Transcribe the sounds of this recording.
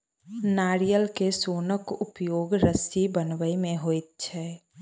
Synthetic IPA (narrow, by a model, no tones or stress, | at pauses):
naːɾijəlkesoːnəkʊpjoːɡɾəsibənwəimẽɦoːit̪̚t͡ʃʰɛː